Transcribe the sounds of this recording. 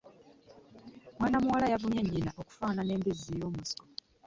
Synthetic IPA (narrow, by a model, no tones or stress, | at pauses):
mwaːnamuwalajavuɲeɲːinaʔo̞ku̥faːnane̞ːmbizijo̞ːmusi̥ko